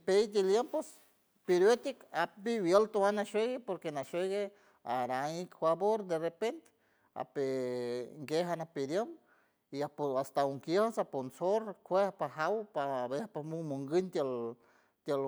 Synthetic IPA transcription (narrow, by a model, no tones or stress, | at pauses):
pejd̪iljempos | piɾjot̪ikapiwjelt̪owanaʃeɣepoɾkenaʃeɣe | aɾaŋikfwaboɾd̪erepent̪ | a̰pe | ŋɡeɦanapiɾjəm | iapoast̪auŋkjehasaponsoɾkʷehpaɦawpaβepamumuŋɡɨnt̪jel | t̪jel